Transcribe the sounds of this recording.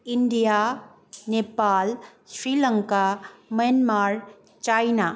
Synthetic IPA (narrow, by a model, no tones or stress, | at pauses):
iɳɖija | nepaːlsɾiləŋkaməjənmaɾ | t͡ʃajna